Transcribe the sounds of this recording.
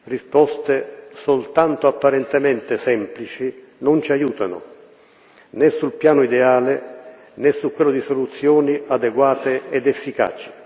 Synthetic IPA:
rispɔst̪esolt̪ant̪ʊapːaɾɛnt̪emɛnt̪ɪsɛmplit͡ʃi | nʊnt͡ʃiajuːt̪anʊ̰ | nɛsːulpjaːnʊid̪eaːlɪ | nɛsːukwɛlːʊd̪isolut̪sːjɔːniad̪eɡwaːt̪eɛd̪ɛfːika̰ːt͡ʃɪ̥

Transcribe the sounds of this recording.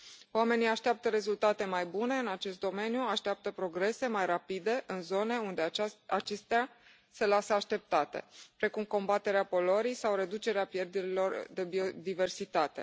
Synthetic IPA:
owame̞niaʃt̪eap̚t̪əɾe̞zult̪at̪e̞majbune̞ɨnat͡ʃe̞s̬t̪̚d̪o̞me̞njuaʃt̪eap̚t̪əpɾo̞ɡɾe̞se̞majrapid̪e̞ʔɨnzo̞ne̞und̪eat͡ʃe̞st̪a | se̞lasəaʃt̪e̞p̚t̪at̪e̞̰pɾe̞kumko̞mbat̪e̞ɾeapo̞lo̞ɾijsawɾe̞d̪ut͡ʃe̞ɾeapje̞rd̪eɾilo̞rd̪e̞bio̞d̪ive̞rsit̪at̪e̞̰

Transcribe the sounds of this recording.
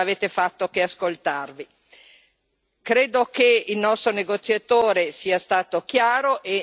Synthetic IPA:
aveːt̪efat̪ːokeaskolt̪arvi | kɾeːd̪okeilnɔst̪ɾoneɡot̪sjat̪oːɾesiːast̪aːt̪ok̟jaːɾoʔe

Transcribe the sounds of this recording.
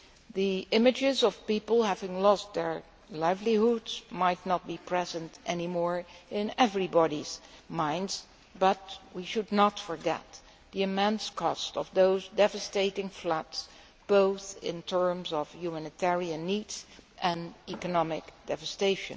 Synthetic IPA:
ðiʔɪ̃mɨd͡ʒɪzʌv̥pipl̩ˠhævɪ̃ŋlɔst̚ðə˞ | laɪvlihudz̥maɪtⁿnət̚b̥ipʰɹ̥ɛzɨ̃ntʔɛnimɔɹɪ̃nɛvɹibɑɾiz̥mãɪ̃ndz̥ | bʌt̚wiʃɨdⁿnətfə˞ɡɛ̰t̪̚ | ðiɨmɛ̃nskʰɔstʌvðoʊzdɛvɨsteɪɾɪ̃ŋflʌts | b̥oʊθɪ̰̃ntʰɜ˞mzʌv̥jumænɨtʰɛɹiɨ̃nːidz̥ʔɨ̃nikɨnɑmɪkd̥ɛvɨsteɪʃɨ̰̃n

